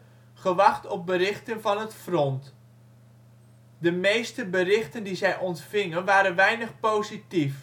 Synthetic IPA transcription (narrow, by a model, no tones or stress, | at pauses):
χəʋɑχtɔp̚bəɾɪχtənvɑnɦətfrɔnt | dəmejstəbərɪχtəndizɛjʔɔntfɪŋənʋaːɾənʋɛjnəχpowzitif